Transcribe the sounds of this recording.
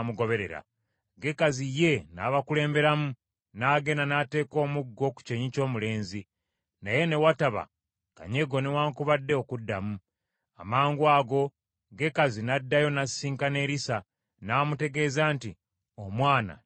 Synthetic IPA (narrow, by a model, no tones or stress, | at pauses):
muɡo̞βe̞ɾe̞̰ɾa̰ | ɡe̞kazije̞na̰ːβakule̞ːmbe̞ɾamu | naːɡenanate̞ːko̞ːmuɡːo̞ku̥ce̞ɲico̞ːmule̞ːnzi | naje̞ne̞wataβa̰ | ka̰ɲe̞ɡo̞newaːŋkuβadːe̞okudːamu | amaːŋɡwaːɡo̞ | ɡe̞kazinadːajo̞nasiːŋkane̞ɾisa | naːmute̞ɡe̞ːzaːnti | omwaːna̰